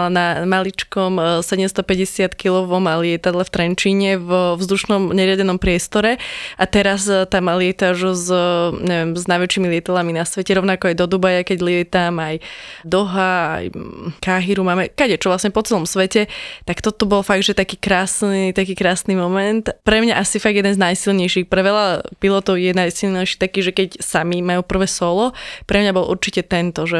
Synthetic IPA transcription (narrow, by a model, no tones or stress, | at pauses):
lanamalit͡ʃkɔmsɛɟɛmst̪ɔpɛɟɛsɪat̪kilɔʋɔmalɪɛt̪ad̪lɛft̪ɾɛnt͡ʃiːɲɛvvzd̪uʃnɔmɲɛɾɪaɟɛnɔmpɾɪɛst̪ɔɾɛʔat̪ɛɾast̪amlɪɛt̪auʒzɲɛʋɛmznajʋɛt͡ʃːiːmilɪɛt̪ad̪laminasʋɛcɛɾɔʊnakɔajd̪ɔd̪ubajakɛɟlɪɛt̪amajd̪ɔɦaa̰jkaɦiɾumaːmɛkaɟɛt͡ʃɔʋlasɲɛpɔt͡sɛlɔmsʋɛcɛt̪akt̪ɔt̪ɔbɔlfaɡ̚d̪ʒɛt̪akiːkɾaːsnit̪akiːkɾaːsniːmɔmɛnt̪pɾɛmɲaʔasifaɡjɛd̪ɛnznajsilɲɛjʃixpɾɛʋɛlapilɔt̪ɔʊjɛnajsilˠɲɛjʃi̥t̪akiːʒɛkɛcsamimajuːpr̩ʋɛːsɔlɔpɾɛmɲabɔlʔṵɾt͡ʃicɛt̪ɛnt̪ɔʒɛ